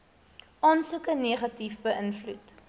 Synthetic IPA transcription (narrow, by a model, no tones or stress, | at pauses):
ʔɑːnsukəneːχɐtifbəʔənflut